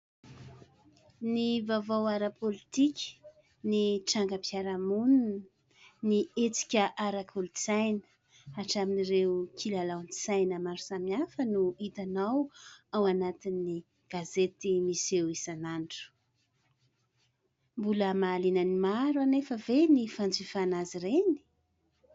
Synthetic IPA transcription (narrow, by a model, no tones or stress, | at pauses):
nivavawaɾəpʰolit̪ikʲi̥ | niʈ͡ʂaŋɡəpjaɾamun | niet͡si̥kʲəʔaɾakʰulut͡sajnə̥ | aʈ͡ʂaminiɾewkʰilalawnit͡sajnəmaɾusamiafənuit̪anawawanat̪inːi | ɡ̥azet̪imisewisanaɳɖ͡ʐu̥ | mbuləmaːlinənimaɾuanefəvenifand͡zifanazireni̥